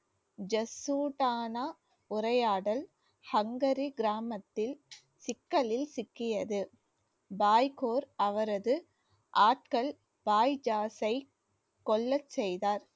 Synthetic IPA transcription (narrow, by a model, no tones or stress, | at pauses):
d͡ʒɐsuːʈaːna | ʊɾɐjaːɽɐl | hɐŋɡɐɾiɡɪɾaːmɐt̪ːɪl | sɪkːɐlɪlsɪkːɪjɐðɯ | baːjkoːɾɐʋɐɾɐðɯ | ʔaːʈ̚kɐɭ | baːjd͡ʒaːsɐɪ | kɔɭːɐt͡ʃːɛjðaːɾ